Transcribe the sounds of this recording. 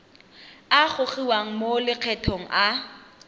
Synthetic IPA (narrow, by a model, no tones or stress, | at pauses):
aχʊχiwaŋ̩molɪq͡χʰɛtʰɔŋ̩ʔa